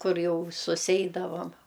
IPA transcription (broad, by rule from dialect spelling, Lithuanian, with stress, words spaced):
ˈkʊr ˈjɛʊ sʊˈsʲɛɪdɐʋɐm